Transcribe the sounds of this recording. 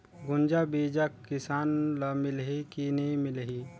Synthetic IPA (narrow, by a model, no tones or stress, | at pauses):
ɡʊnd͡ʒabiːd͡ʒakkːɪsaːnlamɪlɦikinɐĩmɪlɦi